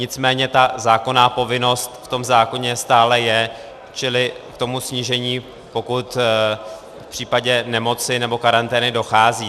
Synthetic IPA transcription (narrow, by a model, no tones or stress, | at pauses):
ɲɪt͡smɛːɲɛt̪azaːko̞naːpo̞vɪno̞st̪ft̪o̞mzaːko̞ɲɛst̪aːlɛjɛ | t͡ʃɪlɪkt̪o̞musɲiʒɛɲiː | po̞kut̪ | fpr̝̥iːpaɟɛnɛmo̞t͡sɪnɛbo̞kaɾant̪ɛːnɪdo̞xaːziː